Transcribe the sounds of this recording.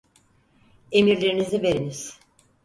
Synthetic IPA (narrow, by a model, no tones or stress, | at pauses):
e̞miɾlʲeɾinizive̞ɾiniz̥